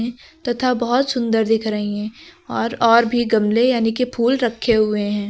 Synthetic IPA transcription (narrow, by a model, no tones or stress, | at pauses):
ɛ̃ | t̪ɐt̪ʰabɐɦʊt̪sʊ̃nd̪əɾd̪ɪkʰɾəĩɦɛ̃ːɔːɾɔːɾbʱiɡɐmlejaːnikepʰuːlɾɐkʰːeɦʊeɦɛ̃ː